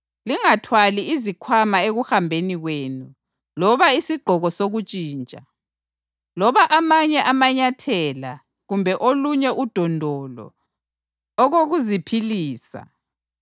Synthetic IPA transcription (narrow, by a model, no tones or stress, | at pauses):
liŋatʰwaliizikʰwamaeɣuxambʱeniɣweːnu | lɔβaisiɡ͡ǃʱɔɣɔsoɣut͡ʃʼiːnt͡ʃʼa | lɔβaʔamaɲɛʔamaɲatʰɛla | ɣumbʱɛʔoluɲɛʔud̥ʱɔndʱɔlɔ̰ | ɣoɣuzipʰiliːsa̰